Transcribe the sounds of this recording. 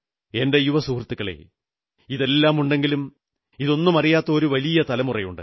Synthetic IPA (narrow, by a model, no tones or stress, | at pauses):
e̞nde̞juʋɐsuːrt̪ːikːɐɭḛ | iðe̞lːaːmuɳɖeŋɡilum | iðo̞nːumɐrijaːt̪ːɐoɾuʋɐlijɐt̪ɐlɐmurɐjuɳɖɨ̰